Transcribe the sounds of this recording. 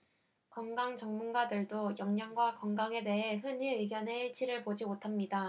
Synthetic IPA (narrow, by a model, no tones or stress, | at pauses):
kʌŋɡaŋt͡ɕʌŋmunɡadɯɭdojʌŋɲʌŋɡwakʌŋɡaŋe̞de̞ɦe̞ɦɯniɯɡjʌne̞iɭt͡ɕʰiɾɯɭpod͡ʑimotʰamɲida